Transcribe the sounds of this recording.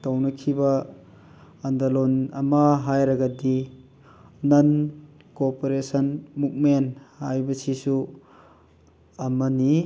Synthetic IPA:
tawnɐkʰibɐː | ndalonɐmɐɦajɾɐɡɐdi | nɐn | kopoɾesɐnmuk̚menhajbɐsisu | ɐmɐni

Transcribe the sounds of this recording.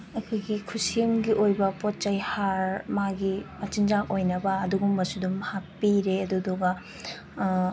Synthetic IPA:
ɐkʰojɡikʰusimɡiʔojbɐpot̚t͡ʃɐjhaɾmaɡimɐt͡ʃind͡ʒak̚ojnɐbɐːduɡumbɐsudumɐhapːiɾeɐduduɡɐ

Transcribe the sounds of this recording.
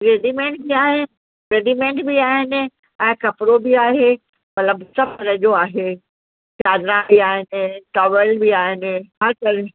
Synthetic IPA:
ɾeːɖimẽːɳʈ̚biaːɦen | ɾeːɖimẽːɳʈbiaːɦɪnɪ̆ | ɛ̃ːkɐpɾobiaːɦe | mɐt̪ləbsɐfəɾəd͡ʑoaːɦe | t͡ɕaːd̪ɾãiaːɦɪnɪ̆ʈɔːʋəlbiaːɦɪnɪ̆ɦɐɾkɐɾɪ

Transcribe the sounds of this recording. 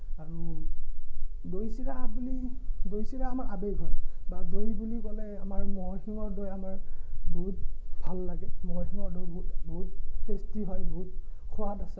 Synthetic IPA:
aɹu | dojsiɹabulidojsiɹaːmaɹʔabejɦɔjbadojbulikɔlɛamaɹmɔxiŋɔɹdojamaɹbboɦut̚bʱalːaɡɛmɔɹxiŋɔɹdojbɔutbɔɦutkʰestiɦɔjbɔɦut̚kʰɔwatasɛ

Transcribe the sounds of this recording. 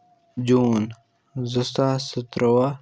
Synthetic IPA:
d͡ʑuːn | zɐst̪asət̪ɾɐwa

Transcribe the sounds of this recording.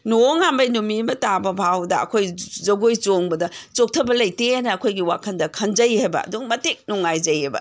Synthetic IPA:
noŋambɐjnumimɐtabɐbʱawdɐɐ̰kʰojzɐɡojt͡ʃoŋbɐdɐt͡ʃok̚tʰɐbɐlɐjtenɐːkʰojɡiwa̰kʰɐndɐkʰɐnd͡ʒɐjhajbɐ̰ɐ̰duŋmɐtik̚nuŋːajd͡ʒɐjajbɐ̰

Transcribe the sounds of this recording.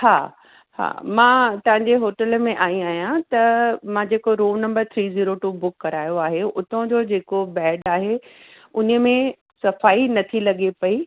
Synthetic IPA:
ha̰ː | ha̰ːmãːt̪ɐ̃ʋə̃ɲ̆d͡ʑeɦoːʈəlmẽʔaːĩaːɦijãt̪ɐmãːd͡ʑeːkoɾoːnɐ̃mbəɾt̪ʰɾiːziːɾoʈuːbʊkːɐɾaːjoaːɦeʊt̪ʰõd͡ʑoːd͡ʑeːkobɛːɖaːɦe | ʊnəmẽ | sɐfaːinɐt̪ʰilɐɠepɐi

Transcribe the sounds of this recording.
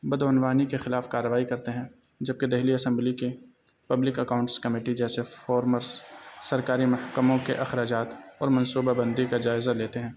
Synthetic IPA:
bɐd̪ʊnʋaːnikexɪlaːfkaːɾːəʋaːikɐɾt̪eɦɛ̃d͡ʒɐb̚ked̪ɛɦliɐsɛ̃mblike | pɐblɪkɐkaːʊ̃ɳʈskɐmeːʈid͡ʒɛːsefɔːɾməɾsɐɾkaːɾimɐhkəmõkḛʔɐxɾaːd͡ʒaːt̪ɔːɾmɐ̃nsuːbabɐ̃nd̪ikad͡ʒaːɪzaleːt̪eɦɛ̃ː

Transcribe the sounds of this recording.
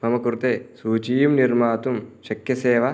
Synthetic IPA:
mɐmɐkːuɾt̪ːesuːt͡ʃijumnirmaːt̪umʃɐkjɐseːʋɐ

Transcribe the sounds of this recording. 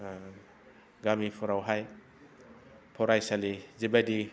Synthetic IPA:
ɡamipʰɔɾawɦaj | pʰɔɾajsalizibadi

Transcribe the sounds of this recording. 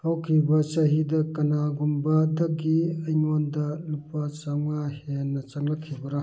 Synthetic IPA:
hɐwkʰibɐt͡ʃɐɦidɐkɐnaɡumbɐdɐɡiɐjŋondɐlupat͡ʃɐŋahenːɐt͡ʃɐŋlɐkʰːibɐɾa

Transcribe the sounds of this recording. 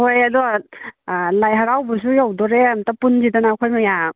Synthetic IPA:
hojadɔ | lajɦaɾawbɔs̬ujawdɔɾeamtapunzidanakʰojmaja

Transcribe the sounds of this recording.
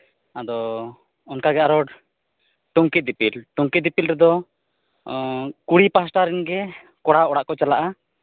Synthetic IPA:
ad̪ɔ | ɔnkaɡɛaɾɔɽ | ʈuŋkit̪̚d̪ipilʈuŋkid̪ipilɾɛd̪ɔ | kuɽipasʈaɾinɡɛ | kɔɽaɔɽaʔkɔt͡ʃalaʔa

